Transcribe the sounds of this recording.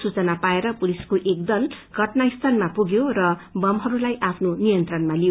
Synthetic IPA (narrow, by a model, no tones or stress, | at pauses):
sut͡sʌnapaeɾʌpuliskoʔek̚d̪ʌlɡʱʌʈnaist̪ʰanmapuɡjorʌbʌmɦʌɾulajʔapʰnonijʌnt̪rʌnmalijo